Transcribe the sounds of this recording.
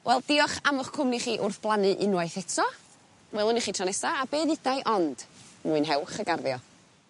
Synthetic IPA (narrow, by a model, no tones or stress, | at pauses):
wʔɛlˠd̥ɪɔχamʊχkʰʊmniχiːʔʊrθb̥lˠanɨʔɪnwajθɛtʰɔ | wɛlˠʊniχiːtʰranɛsaabeːðɪdajʔɔnd̥muɨnɦɛwχəɡarðjɔ